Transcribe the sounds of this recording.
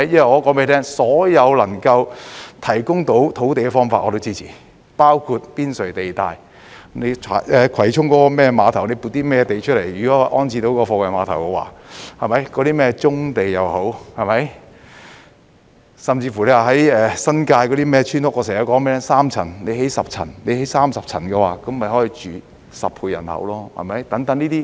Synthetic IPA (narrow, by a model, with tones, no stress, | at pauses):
jɐ˥nwɐ˨jɔː˧˥kɔː˨˥mpe˨˧˥t̪ʰɛː˥ŋsɔː˨˥jɐ˨˧wlɐ˨˩ŋkɐ˧wt̪ʰɐ˨˩jkʊ˥ŋt̪o˨˥wt̪ʰo˨˥wt̪e˨jkɛː˧fɔː˥ŋfaː˧ʔɔː˨˧o˧˥wt͡siː˥t͡sʰiː˨˩ | paː˥wkʰu˧t̚piː˥nsɵ˨˩ɥt̪e˨jt̪a̰ː˨˧j | ne˨˧jt͡ʃʰa̰˨˩ɛː˨˧kʰɐ˨˩jt͡sʰʊ˥ŋkɔː˨˥kɔː˧mɛː˥maː˨˧t̪ʰɐ˨˩wne˨˧jpu˨˩t̪iː˥mɛː˥˧t̪e˨jt͡ʃʰɵ˥t̚le˨˩jjyː˨˩kɔ˨˦˥ʔɔː˥nt͡sʰiː˧t̪o˧˥wkɔː˧fɔː˧kwɐ˨jmaː˨˧t̪ʰɐ˨˩wkɛ˧wa̰ː˨˥hɐ˨jmɐ˨˥jkɔː˨˧˥ɾiː˥mɛː˥t͡sʊ˥ŋt̪e˨jːɐ˨who˨˥whɐ˨jmɐ˨˥j | sɐ˨mt͡siː˧fu˨˩le˧waː˨ɦɐ˨˥jɛː˨˧sɐ˥nkaː˧jkɔ˨˧ɾi˥mɛː˥t͡ʃʰyː˥nt̪ʊ˥k̚ːʔɔ˧sɛː˨˩jɐ˨˧kɔː˨˥mɛː˥saː˥mt͡sʰɐ˨˩nne˨˧jɦe˨˥jsɐ˨p̚t͡sʰɐ̰˨˩nne˨˧jhe˨˥jsaː˥msɐ˨p̚t͡sʰɐ̰˨˩nkɛ˧waː˨˧kɐ˨˥mːɐ˨˩jɦɔː˨˥jiː˨˧t͡ʃyː˨ | sɐ˨p̚pʰuː˧jɐ˨˩nhɐ̰˨˥wlɔː˥hɐ̰˨˩mɐ˨˥jt̪ɐ˨˥ŋt̪ɐ˨˥ŋniː˥t̪iː˥